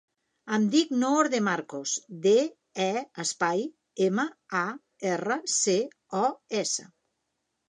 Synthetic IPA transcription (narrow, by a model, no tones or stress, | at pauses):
əmd̪iknooɾðemaɾkosd̪e | ɛəspaj | eməa | ɛrəse | ɔɛsə̰